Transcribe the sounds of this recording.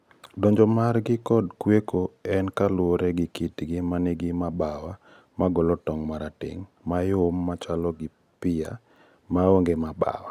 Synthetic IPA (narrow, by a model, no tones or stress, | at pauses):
dɔɲd͡ʒɔmarɡɪkɔdkwekoɛnkalʊwoɾɛɡɪkitɡɪmaneɡɪmabawa | maɡɔlɔtɔŋmaɾatɪ̰ŋ | majʊmːat͡ʃalɔɡɪ | pɪja̰ | maoŋɡemaba̰wa̰